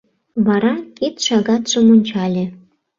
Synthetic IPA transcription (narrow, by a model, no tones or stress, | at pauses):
βɑɾɑket̪ʃɑɣɑt̪ʒ̥ɤ̆monʲt͡ɕɑlʲĕ